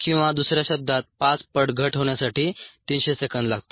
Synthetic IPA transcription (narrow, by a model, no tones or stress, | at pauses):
kĩw̃ʋad̪usɾjaɕəb̚d̪ʱat̪̚pat͡spəɽɡʱəʈɦoɳjasaʈiːt̪inɕesəkənd̪laɡt̪o